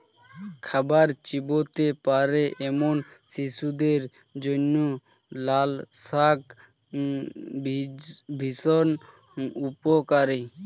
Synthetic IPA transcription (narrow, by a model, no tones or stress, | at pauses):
kʰabaɾt͡ʃibot̪epaɾeʔemonsisud̪eɾ | d͡ʒonːo | lalsak | bʱisɔn | upokaɾi